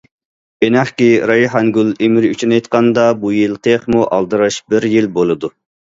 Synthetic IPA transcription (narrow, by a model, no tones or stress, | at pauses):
enæχkʲiɾɑjɦɑŋɡʲulˠemɪɾyt͡ʃʰynejt̪̚qʰɑnd̪ɑbujilˠt̪ʰeχmuʔɑlˠd̪ɨɾɑʃbɪɾjilbolˠɨd̪u